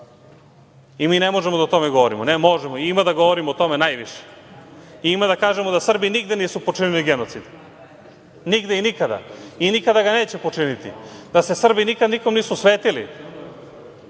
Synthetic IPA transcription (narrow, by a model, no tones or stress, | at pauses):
imiːnemo̞ʒemod̪aot̪o̞me̞ɡoʋoɾimonemo̞ʒemoiimad̪aɡo̞ʋoɾimoot̪o̞me̞najʋiʃe̥ | iimad̪akaːʒemo̞d̪asr̩biniɡd̪e̞niːsupo̞t͡ʃiniliɡeno̞t̪sid̪ | niɡd̪einikad̪a̰inikad̪aɡane̞ːt͡ɕe̞po̞t͡ʂinit̪ḭd̪ase̞sr̩binikad̪niko̞mniːsusʋeːt̪ilḭ